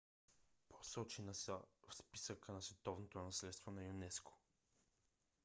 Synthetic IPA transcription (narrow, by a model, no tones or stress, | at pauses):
pʰo̥sɔt͡ʃinɐsfspi̥səkənɐsvɛt̪ɔvnot̪onɐslɛt̪st̪vonɐjunɛsko̥